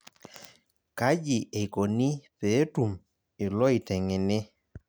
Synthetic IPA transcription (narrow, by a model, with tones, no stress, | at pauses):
ka˦d͡ʒi˨e˨ko˨ni˦pe˨˦tu˨m | ɪ˨lɔ˦i˨tɛ˨ŋe˨nɪ˦